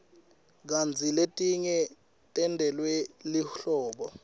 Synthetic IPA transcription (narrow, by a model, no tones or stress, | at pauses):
k̬and͡zʱiletʼiɲɛ | tʼɛndʱɛlwɛliɬɔːɓɔ